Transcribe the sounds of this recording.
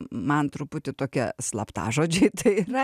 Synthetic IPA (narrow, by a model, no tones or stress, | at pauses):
mɐnt̪ɾʊpʊt̪ʲɪt̪oːkʲɛslˠɐpt̪ɑ̰ːʒoːd͡ʒʲɛɪt̪ɐɪirɐ